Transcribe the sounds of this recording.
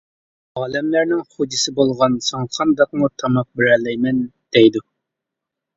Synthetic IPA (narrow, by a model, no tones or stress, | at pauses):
ɑːlɛmlæɾnɪŋχod͡ʒisɪbolˠʁɑnsoŋqʰɑnd̪ɑq̚mut̪ʰɑmɑq̚bɪɾɛlːɛjmɛnd̪̥ɛjd̪u